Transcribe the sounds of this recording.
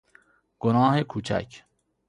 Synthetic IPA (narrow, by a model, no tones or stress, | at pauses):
ɡ̥onɒːhekʰuːt͡ʃʰæ̰cʰ